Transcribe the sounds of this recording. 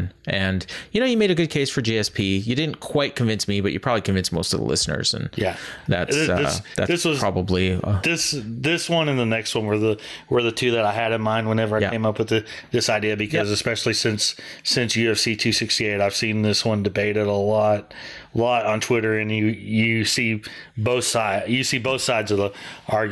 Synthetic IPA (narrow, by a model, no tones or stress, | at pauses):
nʔɨ̃njɨñoʊjɨmeɪɾɨɡʊd̚kʰeɪsfə˞d͡ʒiɛspʰijɨdɪdⁿn̩kʰw̥aɪt̚kʰɨ̃ɱvɪ̃nsmibʌt͡ʃɨpʰɹ̥ɑbəblikɨ̃ɱvɪ̃nsmoʊstʌvðə̰lɪ̰snə̰˞z̥ɨ̰̃njæðæ̰tsʌ̰ðɪðæ̰tðɪswʌzʰɹ̥ɑbəbliʌ̰ðɪsðɪswʌ̃nɨ̃nðɨnɛkst̚wʌ̃nwə˞ðəwə˞ðɨtʰʉðɨɾaɪɨɾɨ̃nmãɪ̃nd̚wə̃nɛvə˞ajæ̰̃ɪ̃mʌpwəðɨ | ðɪsaɪdiɨbɨkʰʌzɨspɛʃl̩ˠisɪ̃nsːɪ̃nsjɨɨv̥sitʰʉsɪkstieɪɾaɪv̥sĩnðɪswʌ̃ndɨbeɪɾɨɾəlɔt̚ | lɔɾn̩tʰw̥ɪɾə˞ɨ̃njɨjɨsi | boʊθsaɪjɨsiboʊθsaɪdzʌvðəʔɑɹ